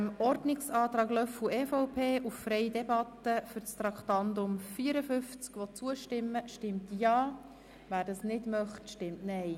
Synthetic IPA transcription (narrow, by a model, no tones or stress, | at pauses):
mɔrɾdnɪksɑːt̪ɾɑːɡlœfuɛːfɔʊpʰeːʔuffɾɛɪjdɛbɑt̪əfʏɾt͡st̪ɾɑktɑndʊmfiəɾəfʏft͡skʋɔt͡suəʃtɪmːəʃtɪmtjɑː | væːɾdɑsnɪdmœχtʃtɪmtnɛɪ